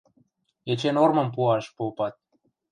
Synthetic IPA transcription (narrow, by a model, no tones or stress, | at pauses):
et͡ɕenormə̆mpuɑʃpopɑt̪̚